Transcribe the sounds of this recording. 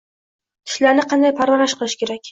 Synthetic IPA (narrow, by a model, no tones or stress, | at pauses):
t̪ʰɪ̥ʃlaɾnɪqʰɑnd̪ajpʰaɾvanaʃqɨlˠɪʃkʲʰe̞ɾakʲ